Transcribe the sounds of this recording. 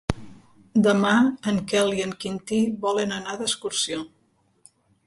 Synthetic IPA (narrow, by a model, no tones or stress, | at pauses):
d̪əmaəŋkɛliəŋkint̪iβɔlənənaðəskuɾsio